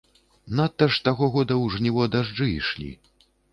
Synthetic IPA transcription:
nat̪ːɐʂt̪aɣɔɣɔd̪ɐwʐnʲivɔd̪aʐd͡ʐɨiʂlʲḭ

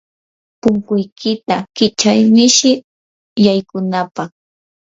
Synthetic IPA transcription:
pʊŋkʊjkʰɪt̪akɪt͡ʃajmɪʃɪ | jajkʊnapɑχ

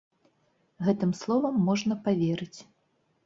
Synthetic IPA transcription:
ɣɛt̪ɨmslˠɔvɐmːɔʐnɐpavʲeɾɨt͡sʲ

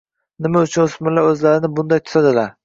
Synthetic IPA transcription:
nɪmaʊt͡ʃʰʊnʊsmɪlaɾɵzlaɾɪnɪbʊnd̪ajt̪ʰʊ̥t̪ad̪ɪlaɾ

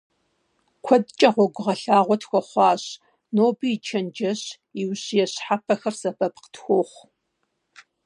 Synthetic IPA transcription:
kʷʰɔdt͡ʃʼɐʁʷɔɡʷʊʁɐɬaːʁʷɔtxʷɔχʷɑːɕ | noːbit͡ʃʰɐnd͡ʒɐɕ | iwɕjɛɕħapʰɐxɐrsɐbɐpqə̥txʷoːχʷ

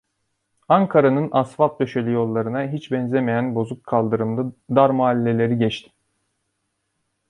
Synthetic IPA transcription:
aŋkʰaɾanɯnasfap̚d̪øʃelʲijo̞lˠːaɾɯnaɦit͡ʃbɛnzemejænbo̞zukʰːalˠd̪ɯɾɯmlˠɯd̪aɾmoalʲːe̞lʲe̞ɾiɟɛt͡ʃt̪ʰi̥m

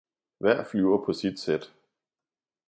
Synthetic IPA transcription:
ʋæɐ̰flyʊɐpʰɒ̽sid̥sed̥

